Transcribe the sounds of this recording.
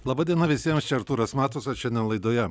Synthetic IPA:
lˠɐbɐd̪ʲiɛnɐʋʲɪsʲiɛmst͡ʃʲɛɐɾt̪uːɾɐsmʲæːt̪osɐʃʲɛnd̪ʲɛnlˠɐɪd̪oːjɛ

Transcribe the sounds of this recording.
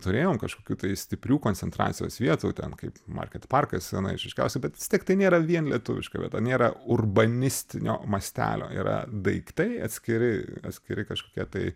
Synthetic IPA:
t̪ʊɾʲeːjoːmkɐʃkoːkʲuːt̪ɐɪsʲt̪ʲɪpʲɾʲuːkoːnʲt͡s̪ʲsʲɛnt̪ɾɑ̰ːt̪t͡sʲsʲɪjoːsʋʲiɛt̪uːt̪ʲɛ̰nkɐɪpmɐ̰rʲkʲɛt̪pɐrkɐsɛnɐ̰ɪʃʋʲɪʃʲkʲɛ̰ʊsʲɛbʲɛt̪ʋʲɪsʲtʲiɛk̚t̪ɐɪnʲeːɾɐʋʲiɛnlʲiɛt̪ʊʋʲɪ̰ʃkɐːʋʲiɛt̪ɐnʲeːɾɐʊrbɐnʲɪsʲt̪ʲɪnʲʔo̰ːmɐsʲt̪ʲæ̰ːlʲo̰ːḭɾɐ̰d̪ɐɪkt̪ɐɪɐtʲsʲkʲɪɾʲɪɐ̰t̪ʲsʲkʲɪɾʲɪkɐʃkoːkʲiɛt̪ɐɪ

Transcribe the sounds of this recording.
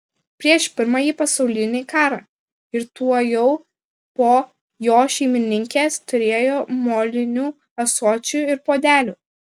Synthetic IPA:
pʲɾʲiɛʃpʲɪɾmɑjiːpɐsɒʊlʲɪnʲekɑːɾɑː | ɪɾt̪uɔjɛʊ | poː | joːʃʲɛɪmʲɪnʲɪŋʲkʲeːst̪ʊɾʲeːjoːmoːlʲɪnʲuː | ɐsoːt͡ʃʲuɪɾpoːd̪ʲæːlʲuː

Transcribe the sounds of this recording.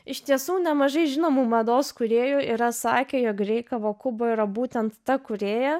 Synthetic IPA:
ɪʃt̪ʲiɛsuːnʲɛmɐʒɐɪʒʲɪnoːmuːmɐd̪oːskʊɾʲeːjʊʔɪɾɐsɑ̰ːkʲeːjoːkɾʲɛɪkɐʋoːkʊboːɪɾɐbuːt̪ʲɛnt̪ːɐkʊɾʲeːjɛ

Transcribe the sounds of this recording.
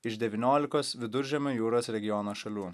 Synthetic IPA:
ɪʃd̪ʲɛʋʲinʲoːlʲɪkoːsʋʲɪd̪ʊɾʲʒʲɛmʲoːjuːɾoːsɾʲɛɡʲɪjɔnoːʃɐlʲuː

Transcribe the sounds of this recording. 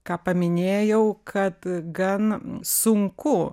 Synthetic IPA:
kɑːpɐmʲɪnʲeːjɛʊkʰɐt̪ɡɐnsʊŋkʊ

